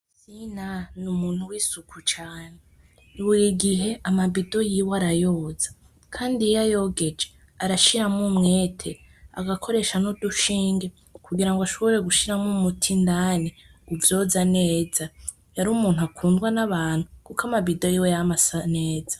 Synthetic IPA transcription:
sinanumuːn̥uwisukʰut͡ʃaːne | iβuɾiɡiɦe̞amaβido̞jiːwoaɾajoːzḁ | kʰaːndijajo̞ːɡe̞d͡ʒe | aɾaʃiɾamumŋe̞ːtʰe̞ | a̰ɡakʰo̞ɾe̞ʃanuduʃiːŋɡe̞ | kʰuɡiɾaŋɡwaʃo̞βoɾe̞ɡuʃiɾamumutʰindaːneuvjo̞ːzane̞ːza | jaɾuːmuːnuakʰuːndɡwanaβaːn̥hukukamabido̞jiːwejamasane̞ːzḁ

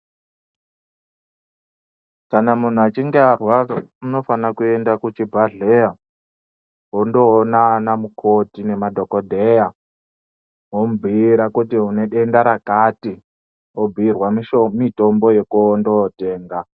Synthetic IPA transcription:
kanamun̤uat͡ʃiŋɡearwauno̞fanakue̞ndakut͡ʃibʱaɮeja | ɦondo̞ːnaːnamukʰotine̞madʱo̞kodʱeja | ɦombʱiːɾakutiɦune̞ɗe̞ndaɾakati | obʱirwamito̞mbo̞jekundote̞ːŋɡa

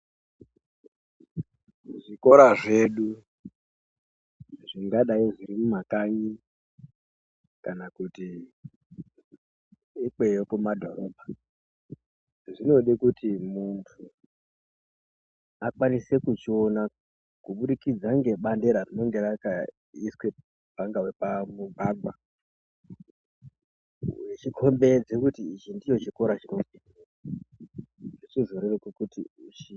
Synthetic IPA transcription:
ʐiko̞ɾaʐe̞ɗu | ʐiŋɡaɗaiʐiɾimumakaɲi | kanakuti | ik͡pejokumadʱo̞ɾo̞bʱa | ʐino̞ɗikutimuntʰu | akwanise̞kut͡ʃiona | kuɓuɗikid͡zaŋɡe̞ɓande̞ɾarino̞ŋɡe̞ɾaka | iswe̞ | bʱaŋɡawepamuɡʱaɡwa | jet͡ʃikʰo̞mbe̞d͡zekutiːt͡ʃindijo̞t͡ʃiko̞ɾat͡ʃino̞ina | ʐet͡ʃiʐoɾerekekutḭut͡ʃi

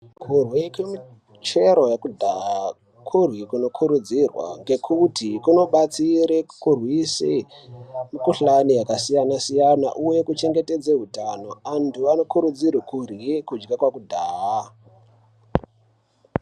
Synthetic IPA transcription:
kʰurwikwemi | t͡ʃe̞ɾo̞jakudʱaa | kʰurwikuno̞kʰuɾud͡zirwa̰ŋɡe̞kʰutikuno̞ɓat͡siɾekurwise | mikuɬanijakasijanasijana̰ʔuje̞kut͡ʃe̞ŋɡe̞te̞d͡zeɦutano̞antuano̞kuɾud͡zirwikurikud͡ʒɡakwakudʱaːɦa

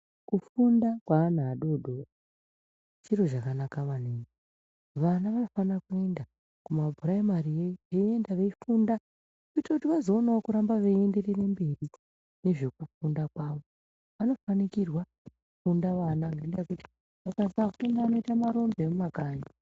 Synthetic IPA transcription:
kufundakwaːn̤aaɗo̞ɗo̞a | t͡ʃiro̞ʐakanakaʋaneːŋe | ʋanaʋanofanakue̞nda | kumabʱuɾaimaɾijeʋeie̞ndaʋe̞ifunda | kuitakutiʋazo̞ːnaokuɾambaʋeienderere̞mberi | ne̞ʐe̞kufundakwaːʋo | ʋano̞fanikirwa | kufundaʋanaŋɡandeakuti̥ | ʋakasakuteŋɡaʋano̞itamaɾo̞mbemumakaːɲa

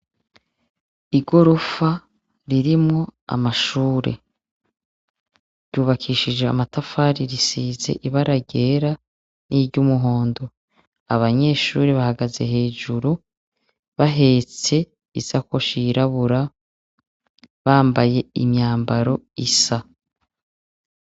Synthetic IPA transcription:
iɡo̞ɾo̞fa | ɾiɾimŋo̞a̰maʃuːɾḛ | ɾɟuːβakʰiʃid͡ʒe̞a̰matafaːɾiɾisiːze̞̰ʔiβaɾaɟeːɾa | niɾɟumuɦo̞ːndo̞ | aβaɲe̞ːʃuːɾiβahaɡaze̞̰ɦe̞ːd͡ʒuɾu | βaɦe̞ːt͡se̞ | izako̞ʃiɾaβuɾa | βaːmbaje̞ḭmɲaːmbaɾo̞isa

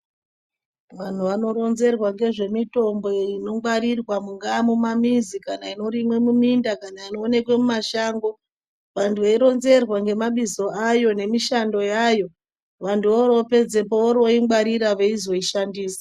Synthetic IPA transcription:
ʋan̤uʋano̞ɾo̞nze̞rwaŋɡe̞ʐe̞mito̞mbo̞ino̞ɡ͡baɾirwamuŋɡaːmumamizikanaino̞ɾimwe̞mumindakanaino̞ːne̞kwe̞mumaʃaːŋɡo̞ | ʋantʰuʋeiɾo̞nze̞rwaŋɡe̞maɓizo̞ʔajo̞ne̞miʃando̞jajo̞ | ʋantuʋoɾo̞pe̞d͡ze̞p̬oʋoɾo̞imɡ͡baɾiɾaʋeizo̞iʃandiːsḁ

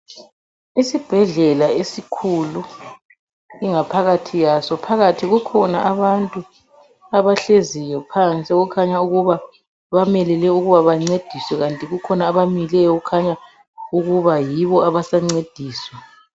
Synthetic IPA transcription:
isib̥ʱɛɮɛlaesikʰulu | iŋapʰaɣatʰijasɔpʰaɣatʰiɣukʰɔnaʔaβantʼu | aβaɬezijɔpʰant͡sʼiɣukʰaɲauɣuβa | βamɛlɛlɛuɣuβaβaŋ͡ǀed̥ʱiswɛɣantʼiɣukʰɔnaːβamilɛjɔɣukʰaɲa | uɣuβajiβɔaβasaŋ͡ǀed̥ʱiːswɛ

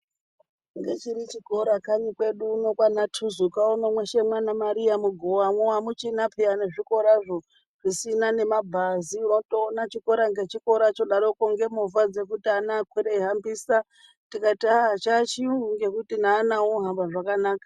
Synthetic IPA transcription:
ŋɡe̞t͡ʃiɾit͡ʃiko̞ɾakaɲikwe̞ɗuno̞kwanatʰuzukaonomwe̞ʃe̞mwanamaɾijamuɡʱowamwowamut͡ʃinapʰeaneʐiko̞ɾaʐo̞ | ʐisinane̞mabʱaziuno̞toːnat͡ʃiko̞ɾaŋɡe̞t͡ʃiko̞ɾat͡ʃo̞ɗaɾo̞koŋɡe̞muvad͡ze̞kutianaːkweɾeiɦambiːsa | tikatiaɦat͡ʃat͡ʃiuuŋɡe̞kutinaːnawoɦambaʐakanaːkḁ

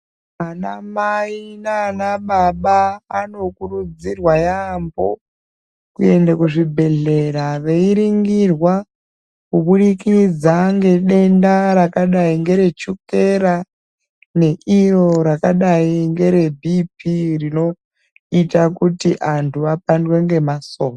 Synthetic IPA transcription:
anamainaːnaɓaɓaːno̞kuɾud͡zirwajambo | kue̞ndakuʐibʱe̞ɮe̞ɾaʋeiɾiŋɡirwa | kuɓuɗikid͡zaŋɡe̞ɗe̞ndaɾakaɗaiŋɡe̞ɾe̞t͡ʃuke̞ɾa | ne̞iro̞ɾakaɗaiŋɡe̞ɾe̞bʱip̚irino̞ | itakutiʔantʰuapandwe̞ŋɡe̞masoːmo

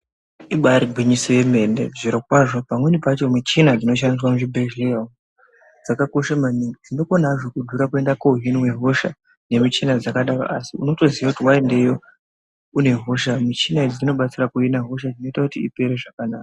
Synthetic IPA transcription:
iɓaɾiɡʱwiɲisije̞me̞ndḛʐiɾok̚waʐo̞pamwe̞nipat͡ʃo̞mit͡ʃinad͡zino̞ʃ̬anis̬wamuʐibʱeʒa | d͡zakako̞ʃamaniid͡zino̞konɦaʐo̞kudʱuɾakue̞ndako̞ɦiniwe̞ɦo̞ʃa | ne̞mit͡ʃinad͡zakaɗara̰ʔasiuno̞to̞ziwakutiwae̞nde̞jo̞ | une̞ɦoʃamit͡ʃinaid͡zid͡zino̞ɓat͡sirakuinaɦoʃad͡zino̞itakutiḭpe̞ɾe̞ʐakanaːkḁ

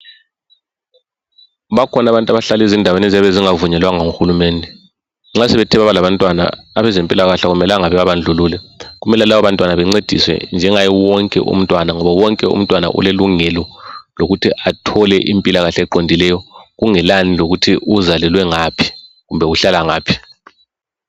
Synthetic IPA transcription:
βakʰɔnaβantʼaβaɬalezindʱawenezaβeziŋavuɲɛlwaŋaŋuxulumeːndʱɛ | ŋ͡ǁasɛβɛtʰiβaβalaβantʼwana̰aβɛzempʼilaɣaɬaɣumɛlaŋaβɛβaβand͡ɮʱuluːlɛɣumɛlalaβaβantʼwanaβɛŋ͡ǀed̥ʱḭswɛ̰nd͡ʒʱɛŋajɛwɔŋkʼɛ̰ʔṵm̩tʼwanaŋɔβawɔŋkʼɛṵm̩tʼwana̰ʔṵleluŋɛlɔloɣutʰiʔatʰɔlɛʔimpʼilaɣaɬɛɛǃondʱilɛjɔɣuŋɛlaniloɣutʰiʔuzalɛlwɛŋaːpʰi̥ | ɣumbʱɛuɬalaŋaːpʰi̥

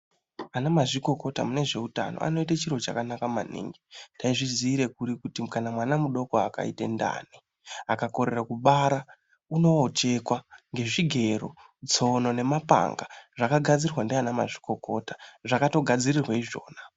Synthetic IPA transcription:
anamaʐiko̞ko̞ta̰mune̞ʐe̞uta̰no̰ʔa̰no̞itat͡ʃirot͡ʃa̰kanakama̰nḭːŋɡitaiʐiziːɾe̞kuɾikutikanamwanamuɗo̞koaka̰ḭtḛnda̰ːni | akako̞ɾe̞rakuɓaɾa | uno̞ːt͡ʃe̞kwaŋɡe̞ʐiɡʱe̞ɾo | d͡zo̞no̞ne̞mapa̰ŋɡaʐakaɡʱad͡zirrwandeanama̰ʐi̥ko̞ko̞tḁʐakato̞ɡʱad͡zirirwaiʐo̞̰ːna

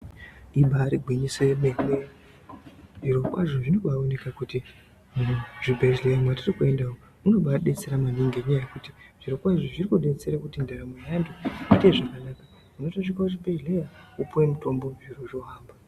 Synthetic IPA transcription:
iɓaɾiɡʱwiɲiswe̞meriwe | ʐiɾo̞kwa̰ʐoʐinoɓaone̞kakuti | muʐibʱeʒlejamwatirikue̞ndawo | uno̞ɓaɗet͡seɾamaniŋɡeɲaajekutiʐ̥iɾokwaʐoʐirikuɗe̞t͡seɾakutindʱaɾamejandoite̞ʐakanaːka | munotoʐikaoʐibʱeʒlejaupuwemuto̞mbo̞mʐiroʐoɦaːmba

